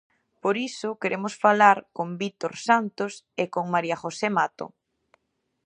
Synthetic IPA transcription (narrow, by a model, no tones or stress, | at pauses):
poɾisʊkeɾʔemosfalaɾkombit̪oɾsant̪os | ekoŋmaɾiaχosemat̪o̰